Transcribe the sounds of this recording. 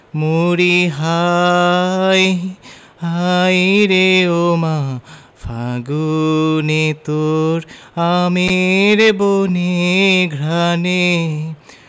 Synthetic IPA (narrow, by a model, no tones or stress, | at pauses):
moɾiɦa | j | hajɾeoma | fʰaɡunet̪oɾ | ameɾeboneɡʱɾane